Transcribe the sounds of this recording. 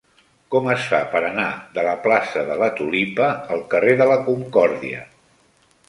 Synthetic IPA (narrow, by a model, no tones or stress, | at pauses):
kɔməsfapəɾənaðələplasəðələt̪ulipəːlˠkəreðələkuŋkɔɾðiə̰